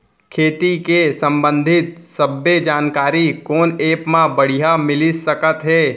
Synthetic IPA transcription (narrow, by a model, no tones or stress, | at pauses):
kʰeːt̪ikesə̃mbə̃nd̪ʱɪt̪səbːed͡ʒaːnkaːɾikoːneːpmãbəɽ̤ijamɪlisəkət̪ɦɛː